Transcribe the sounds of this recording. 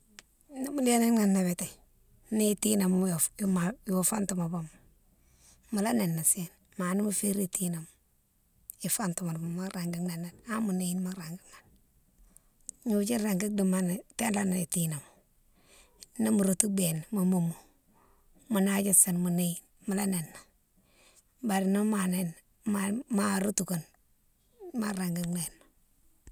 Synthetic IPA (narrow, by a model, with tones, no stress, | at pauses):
ni˦mu˦le˦ni˦ŋa˨nːa˨βe˨te˨ | ni˦ti˦na˨mu˦˨˦ma˨jwo˨fa˦ntu˨ma˨bo˦m˨ | mu˨la˦ne˨nːa˨se˦˨n | ma˨ni˦mu˦fe˦ɾi˦tʰi˦na˨mu˨ | i˨fa˦ntu˨ma˨ba˨ma˦ɾa˨ŋɡi˦na˨nːe˨na˦mu˨ne˦ji˦nma˦ɾa˨ŋɡi˦ŋa˨n | ɲu˨˦t͡ʃi˦ɾa˨ŋɡi˦di˨ma˦n˨te˦nla˦na˨i˨ti˦na˨m˨ | ni˦mu˨ɾu˦tu˦be˨n˨mu˨mu˨mu˨ | mu˨na˦d͡ʒi˦sa˨nmu˨ne˦i˦n | mu˨la˦ne˨nːa˨ | ba˨ɾi˨ni˦ma˨ne˦n | mama˦˨ɾu˦tu˨ko˨n | ma˦ɾa˨ŋɡi˦ne˨n˨